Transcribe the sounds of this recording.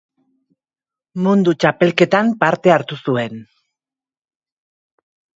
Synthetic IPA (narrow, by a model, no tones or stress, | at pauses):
mund̪ut͡ʃape̞lke̞t̪ampaɾt̪e̞aɾt̪usue̞n